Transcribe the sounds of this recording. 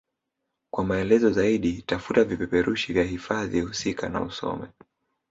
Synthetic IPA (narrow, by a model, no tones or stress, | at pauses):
kwamaɛlɛzɔzaiɗitafutavipɛpɛɾuʃivjaɦifaðihusika̰na̰usɔ̰mɛ